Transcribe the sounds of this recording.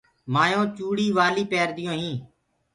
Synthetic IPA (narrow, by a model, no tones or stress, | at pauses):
maːjõːt͡ʃuːɽiːʋaːliːpeːɾd̪ɪjõːɦĩː